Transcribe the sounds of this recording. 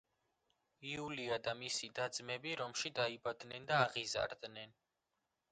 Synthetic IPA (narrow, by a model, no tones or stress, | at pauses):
iuliad̪amisid̪ad̪zmɛbiɾɔmʃid̪aibad̪nɛnd̪aːʁiza̰ɾd̪nɛn